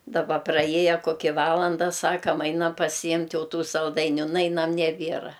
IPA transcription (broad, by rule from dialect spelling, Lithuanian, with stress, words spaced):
dɐˈbɐ prɐˈjiɛjɛ koːˈkʲɪ ˈʋɑːlˠɐndɐ ˈsɑːkɐm ˈɐɪnɐm pɐsʲɪˈjɪmʲtʲ ˈjɛʊ ˈtuː sɐlˠˈdɐɪnʲʊ ˈnɐɪnɐm nʲɛˈbʲiɛrɐ